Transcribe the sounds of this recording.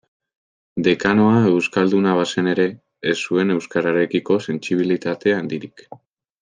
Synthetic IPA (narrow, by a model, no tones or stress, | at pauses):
d̪e̞kano̞ae̞wskald̪unaβ̞ase̞ne̞ɾe̞ː | sːue̞ne̞wskaɾaɾe̞kiko̞se̞nt͡siβ̞ilit̪at̪e̞and̪iɾik